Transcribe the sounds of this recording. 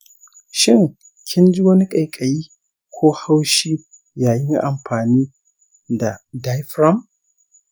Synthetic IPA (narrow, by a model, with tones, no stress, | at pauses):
ʃɪ˦˨ŋ | kʲʰɪ˦nd͡ʒi˦wɐ˦ni˦kʼa˨jkʼɐ˨jiː˦ | kʷʰoː˦ha˦wʃiː˦ | jaː˨jɪ˦ŋʔa˨mɸaː˨niː˦ | da˨da˦jɸɾɐ˦m